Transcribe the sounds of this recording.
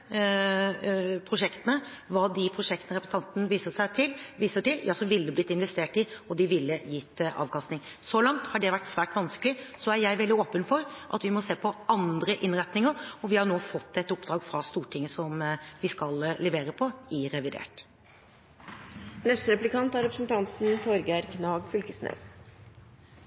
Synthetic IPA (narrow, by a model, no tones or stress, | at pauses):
pʰɾʊʂɛkt̪ənəʋɑːd̪ɪpʰɾʊʂɛkt̪ənəɾɛpɾəsn̩ɑnt̪nəʋiːsəʂæɪt̪ʰɪlʋiːsəʈɪljɑːsɔʋɪlːəblɪt̪ːɪnʋɛst̪eːʈɪɔd̪ɪʋɪlːəjɪt̪ːʔɑ̰ːʋkʰɑst̪ɪŋ | sɔlɑŋt̪hɑɖɛʋæʈːsʋæːʈʋɑnskəlɪsɔæɾjæɪʋɛld̪ɪoːpənfɔɾʔɑ̰t̪ʋɪmɔseːpʰɔɑnd̪ɾəʔɪnɾɛt̪nɪŋəɾɔʋɪhɑnoːfɔt̪ːɛt̪ːʊpd̪ɾɑːɡfɾɑst̪uːʈʰɪŋːəsɔmʋɪskɑllɛʋeːɾəpʰɔɪɾɛʋɪd̪ḛːʈ | nɛst̪əɾɛplɪkɑnt̪ɑɾɛpɾəsn̩t̪ʰɑnt̪n̩t̪ʰɔɾɡæɾkʰnɑːɡfʏlkəsnø̰ːs